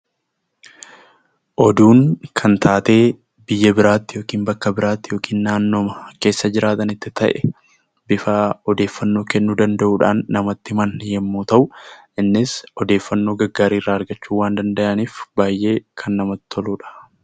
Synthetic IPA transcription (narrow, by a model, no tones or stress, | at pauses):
ʔɔd̪uːŋkʰɐnt̪ʰaːt̪e̞ː | bɪjːɛbɪɾaːt̪ːɪjo̞ːkiːnbɐkːɐbɪɾaːt̪ːɪjo̞ːkiːnːaːnːoːmɐke̞ːsːɐd͡ʒɪɾaːt̪ɐnɪt̪ːɪt̪ɐʔɛ | bɪfaɔd̪e̞ːfːɐnːo̞ːkɛnːud̪ɐnd̪ɐʔuːᶑa̰ːnːɐmɐt̪ːɪmɐnjɛmːuːt̪ɐʔʊʔɪnːɪsɔd̪e̞ːfːɐnːo̞ːɡɐɡːaːɾiːrːaːɐɾɡɐt͡ʃːuːwaːnd̪ɐnd̪ɐʔɐniːfbaːjʔe̞ːkʰɐnːɐmɐt̪ɪɔluːᶑɐ̥